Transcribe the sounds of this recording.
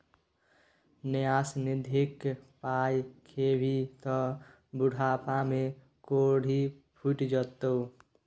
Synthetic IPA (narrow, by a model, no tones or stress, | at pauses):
nejasnɪd̪ʱikpajkʰebʱit̪ɔ | buɽʱaːpame | koɽ̤ʱipʰuʈd͡ʒət̪ou